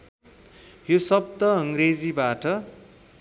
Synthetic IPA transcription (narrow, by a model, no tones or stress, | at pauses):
josʌb̚d̪ʌʌŋred͡zibaʈʌ